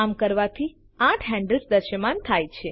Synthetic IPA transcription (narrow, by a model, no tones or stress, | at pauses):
amkəɾʋat̪ʰi | ãʈʰɦɛ̃ɳɖəlsd̪əɾʃəmant̪ʰajt͡ʃʰe